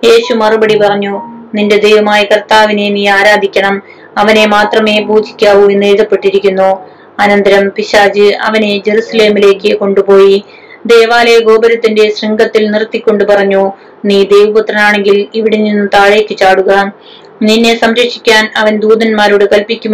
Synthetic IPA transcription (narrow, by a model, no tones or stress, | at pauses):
je̞ːɕumɐrubɐɽipɐrɐɲːuninde̞d̪e̞jʋɐmaːjikɐrt̪aːʋine̞jniːaːɾaːd̪ʱikʲːɐɳɐm | ɐʋɐne̞maːt̪rɐme̞ːpuːd͡ʑi̥kʲːaːʋue̞nːeːðɐpːe̞ʈːiɾikʲːunːo | ɐnɐnd̪ɐɾɐmpiɕaːd͡ʑɨɐ̰ʋɐne̞d͡ʑe̞ɾusɐle̞ːmile̞ːkːɨko̞ɳɖupo̞ːji | d̪e̞ːʋaːleɡo̞ːbɐɾɐt̪ːinde̞sriŋɡɐt̪ːilnirt̪ːikʲːoɳɖupɐrɐɲːoː | niːd̪e̞jʋupɐt̪rɐnaːɳe̞ŋɡiliʋiɽeninːɨt̪aːɻe̞ːkːɨt͡ɕaːɽuɣɐ | ninːe̞sɐmɾɐkʂi̥kʲːaːnɐʋɐnd̪uːd̪ɐnmaːɾuɽekɐlpikʲːum